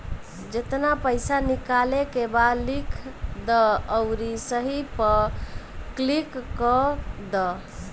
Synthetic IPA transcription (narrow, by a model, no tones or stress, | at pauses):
d͡ʒet̪napəjsanikalekebalikʰd̪əːʊɾisəɦipə | klikːɔd̪ə